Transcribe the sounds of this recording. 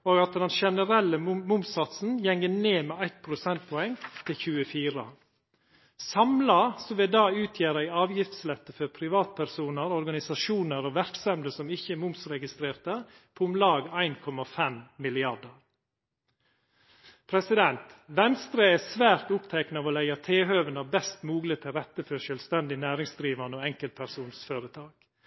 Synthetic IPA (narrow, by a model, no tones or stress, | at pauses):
oːɡɑt̪d̪ɛnʃɛnəɾɛlːəmʊmsɑt̪sn̩jɛŋːəneːmeːæɪt̪̚pʰɾʊsɛnt̪̚pʰɔɛŋt̪ʰɪlçʉːəfiːɾə̰ | sɑmlɑsɔʋɪd̪ɑːʉːt̪ʰjæːɾəɪɑːʋjɪft̪slɛt̪ːəfɔɾpʰɾɪʋɑːt̪̚pʰæɾsuːnəɾɔɾɡɑnɪsɑʃuːnəɾoʋæɾksɑmd̪əsɔmɪçəmʊmsɾɛɡɪst̪ɾeːɾt̪ə | pʰoːʊmlɑːɡæɪnkʰɔmɑfɛmmɪlɪɑɖəɾ | pʰɾɛsɪd̪ɛnt̪ʋɛnst̪ɾəɛːsʋæːɾt̪ʊpt̪ʰɛknɑʋoːlæɪɑt̪ʰeːɦøːʋənɑbɛst̪muːɡlət̪ʰɪɾɛt̪ːəfœʃœlst̪ɛnd̪ɪnæːɾɪŋsd̪ɾiːʋɑnəoːɛŋkəlt̪̚pʰæɾsuːnsføːɾət̪ʰɑːk